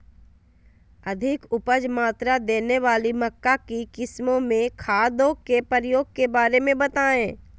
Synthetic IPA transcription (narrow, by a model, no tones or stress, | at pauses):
əd̪ʱɪkʊpəd͡ʒmaːt̪ɾad̪eːneʋaːlimɐkːakikɪsmõmẽkʰaːd̪oːɡ̚kepəɾjoːɡ̚kebaːɾemẽbət̪aːẽː